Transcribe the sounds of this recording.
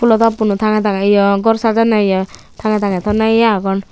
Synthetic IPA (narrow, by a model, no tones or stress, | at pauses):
pʰulɔt̪ɔpunut̪ʰaŋɛt̪̬aŋɛijɔɡɔɾsad͡ʒanajɔ | t̪ʰaŋɛt̪aŋɛt̪ʰɔnajaɡɔn